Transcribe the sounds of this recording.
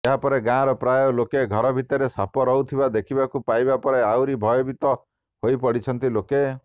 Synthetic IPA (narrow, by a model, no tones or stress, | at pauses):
eɦapɔɾeɡãɾɔpɾajɔlokeɡʱɔɾɔbʱit̪ɔɾesapɔɾɔut̪ʰibad̪ekʰibakupajbapɔɾeawɾibʱɔjɔbit̪ɔ | hoipɔɽit͡ʃʰɔnt̪iloke